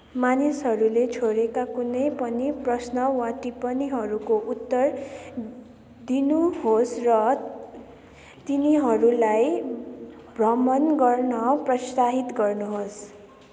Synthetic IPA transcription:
manisɦʌɾulet͡sʰoɾekakunʌjpʌniprʌsnʌwaʈipʌniɦʌɾukoʔut̪ːʌr | d̪inuɦosrʌ | t̪iniɦʌɾulaj | brʌmʌnɡʌrnʌprʌsaɦit̪ɡʌrnuɦos

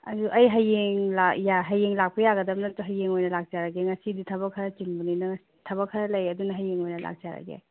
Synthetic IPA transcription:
ɐ̰zuʔɐjɦɐjːeŋlajaɦɐjːeŋlak̚pɐjaɡɐdɐmnɐtuɦɐjːeŋojnɐlak̚zaɾɐɡeŋɐsiditʰɐβɐkʰɐɾɐt͡ʃinbunijnɐŋɐsi̥tʰɐβɐkʰːɐɾɐlɐjɐdunɐɦɐjːeŋojnɐla̰k̚zaɾɐ̰ɡḛ

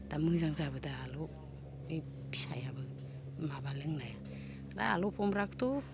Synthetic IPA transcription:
d̥amɯŋzaŋzabɯdaːlɔ | e | bi̥sa̰jabɯ | mabalɯŋnaja | ɾa̰a̰lɔpʰɔmɾaktɔ

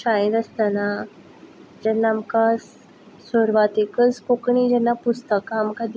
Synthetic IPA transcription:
aĩd̪əst̪əna | d͡ʑɛnːamkas | soɾʋat̪ekəskokɳid͡ʑɛnːapust̪əkaːmkad̪

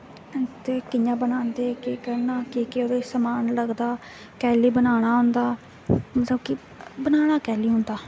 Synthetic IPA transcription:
t̪eːkɪjãːbənaːnd̪eːkiːkəɾnaːkiːkeoɾeːsəmaːnləɡd̪aː | kɛːliːbənaːɽ̃aːɦʊ̃nd̪aː | mət̪ləbkɪ | bənaːɽ̃aːkɛːliːɦʊnd̪aː

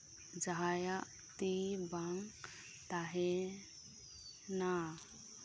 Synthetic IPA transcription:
d͡ʒaɦajaʔ | t̪ibaŋ | t̪aɦe | na

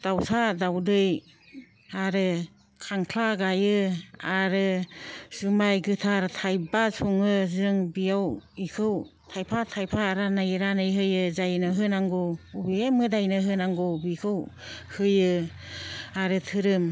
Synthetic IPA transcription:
d̥awsʰadawdɯj | aɾɯ | kʰaŋkʰaɡajɯaɾɯz̥umajɡɯtʰaɾtʰajbasʰuŋɯzɯŋbijawikʰɯw | tʰajpʰatʰajpʰaːɾanajɾanɯjɦɯjɯzajnɯɦɯnaŋɡɔubiemɯdajnɯɦɯnaŋɡɔbikʰɯw | hɯjɯ | aɾɯtʰɯɾɯm

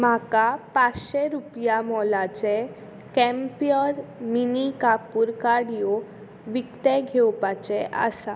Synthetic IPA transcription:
m̤akapat͡sɕeɾupjamɔlat͡ɕe | kɛmpijɔɾminikapuɾkaɽijɔ | ʋikt̪ɛɡʱewpat͡ɕɛʔa̰sa

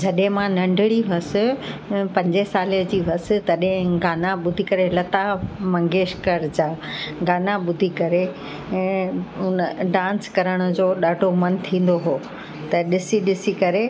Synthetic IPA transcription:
d͡ʑɐɗɦɪ̃mãnɐ̃ɳɖʱɪɽiʋɐsɪ̆pɐ̃ɲd͡ʑesaːliəd͡ʑiːʋɐsɪ̆t̪ɐɗɦɪ̃ɡaːnaɓʊd̪ʱikɐɾelɐt̪amɐ̃ŋɡeːʃkəɾd͡ʑaːɡaːnaɓʊd̪ʱikɐɾẽ | ɦʊnɖãːnskɐɾəɽ̃ʊ̆d͡ʑoːɗaːɖʱomɐnt̪ʰĩːn̆d̪oɦoː | t̪ɐɗɪsiɗɪsikɐɾe

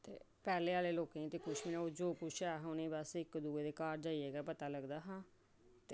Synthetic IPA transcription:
t̪ḛː | pɛːleːaːleːloːkẽːt̪eːkʊʃʰmɪnẽːoːd͡ʒoːkʊt͡ʃʰɛːɦʊnẽːbəsɪkd̪uːeːd̪eːkaːɾd͡ʒaːiːeːɡaːpət̪aːləɡd̪aːɦãː | t̪e

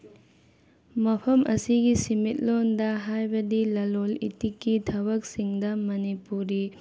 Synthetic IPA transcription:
mɐpʰɐmʔɐsiɡisimit̚londɐɦajbɐdilɐlolḭtikːitʰɐbɐk̚siŋdɐmɐnipuɾi

